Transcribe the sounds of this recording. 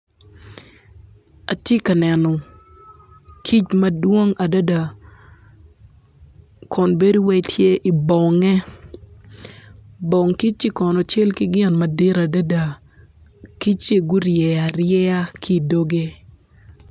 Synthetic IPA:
a˨tje˦ka˨nɛ˨nɔ˨ | kʰi˦t͡ʃmɐ˦dwo˦ŋa˨da˦da˨ | kʰɔ˨nbe˦du˦wɛ˦tʰje˦ʔi˨bɔ˨ŋɛ˦ | bɔ˨ŋki˦t͡ʃi˦kɔ˨nɔ˨t͡ʃɛ˦lkɪ˦ɡɪ˦˨nma˨dɪ˦ɾa˨da˦da˨ | ki˦t͡ʃe˦˨ɡʊ˦ɾjɛ˨a˨ɾjɛ˦a˦kʰi˦˨do˦ɡe˦

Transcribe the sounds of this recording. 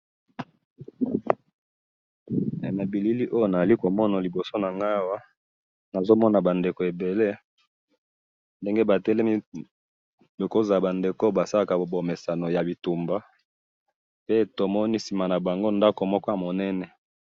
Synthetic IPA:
na˨bi˨li˦li˦ʔo˦jo˦na˨za˨li˦ko˨mɔ˦na˨li˨bo˨so˦na˨ŋɡa˦˨wa˦ | na˨zo˦mɔ˦na˨ba˨nde˨ko˨e˨be˨le˦ | nde˦ŋɡe˦ba˨tɛ˦le˦mi˦ | be˨ko˦za˨ba˨nde˨ko˦ba˨sa˦la˦˨ka˨bo˨me˨sa˨no˨ja˨bi˨tu˨mba˦ | pe˦˨to˨mɔ˦ni˦si˨ma˨na˨ba˨ŋɡo˦nda˦ko˨mɔ˦kɔ˦ja˨mo˨nɛ˦nɛ˨

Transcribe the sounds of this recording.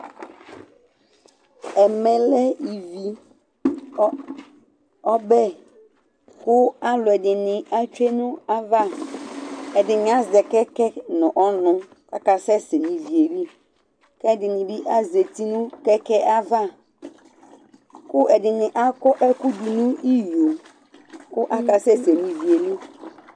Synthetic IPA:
ɛ˨mɛ̃˨lɛ˦i˨vi˨˦ | ɔ˦bɛ˦ | kʊ˦a˦lʊ˨ɛ˨dɪ˨nɪ̃˨a˦t͡ʃᶣe˦nʊ̃˦a˦va˦˨ | ɛ˨dɪ˨nɪ̃˨a˦zɛ˨kɛ˦kɛ˦nʊ̃˨ʔɔ˦nʊ̃˦ | ka˦ka˨sɛ˦se˨nĩ˨vi˨e˨li˦ | kɛ˦˨dɪ˨nɪ̃˨bɪ˦ʔa˦ze˨ti˦nʊ̃˦kɛ˦kɛ˦ʔa˦va˦ | kʊ˦ʔɛ˨dɪ˨nɪ̃˨ʔa˦kɔ˦ʔɛ˦kʊ˦du˨nʊ̃˦i˦jo˨ | kʊ˦ʔa˦ka˨sɛ˦se˨nĩ˨vi˨e˨li˦

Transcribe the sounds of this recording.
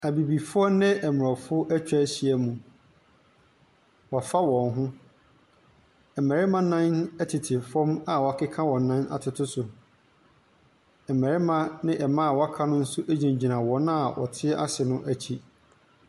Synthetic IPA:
æ˨bi˨bi˨fʊ˦ɔ˦nɪ̃˦ʔɛ˨mʊ˨ɔ˨fʊ˦ʊ˦ʔæ˦t͡ɕᶣæ˦ɕi˦æ˦mũ˨ | wɔ˨fa˦wɔ̃˨nɦʊ̃˦ | ɛ˨mæ˨ɾɪ˦mã˦nã˦nɛ˦tʰɪ˨tʰɪ˨fɔ̃˦ma˨wɔ˨a˨kʰɪ˦kʰã˦wɔ̃˨nːã˦na̰˨tʰɪ˨tʰʊ˦sʊ˨ | ɛ˨mɛ˨ɾɪ˦mã˦nɪ̃˦ʔɛ˨mã˦a˨wɔ˦a˦kʰa˦nʊ̃˦n̩˦sʊ˦ʔæ˦d͡ʑĩ˨ɲ˨d͡ʑi˨nã˨wɔ̃˨n˦a˨wɔ̰˨tʰɪ˦ɛ˦ʔa̰˦sɪ˨nʊ̃˦ʔæ˦t͡ɕʰi˦

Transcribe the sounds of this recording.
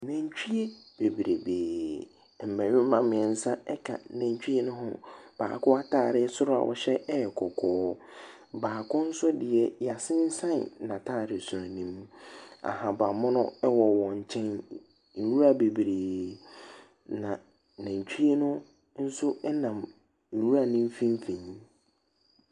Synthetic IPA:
nã˨ɲ˦t͡ɕᶣi˦e˦b̥e˨bɾe˨beː˨ | m̩˨mæ̃˨ɾɪ˦m˦mã˦mɪ̃˨ɛ˨n̩˦sã˦ɛ˦kʰa̰˨næ̃˨ɲ˨t͡ɕᶣi˦e˦nʊ̃˦ɦʊ̃˦b̥a̰ː˨kʊ˦a˦tʰaː˦˨ɾɪ˦sʊ˦ɾʊ˦a̰˨wʔɔ̰˨ɕɛ˦ɛ˦ɛ˨kʰɔ˨kʰɔː˦ | baː˨kʰʊ̃˦n̩˦sʊ˦dɪ˨ɛ˨ja˨sɪ̃˦n̩˦sã˦n˨nã˨tʰaː˦˨ɾɪ˨sʊ˨a˨nĩ˦m˦a̰˨hã˨ba˨mʊ̃˦nʊ̃˦ɛ˦wɔ˨wɔ̃˨ɲ̩˨t͡ɕʰɛ̃˦n̩˨ | ɾu˦ɾa˦be˨bɾeː˨ | nã˨ | næ̃˨ɲ˨t͡ɕᶣi˦e˦nʊ̃˦ | n̩˦sʊ˦ʔɛ˦nã˨m̩˨ | ɾu˦ɾa˦nĩ˦m˦fĩ˦m˦fĩ˨ɲ˦

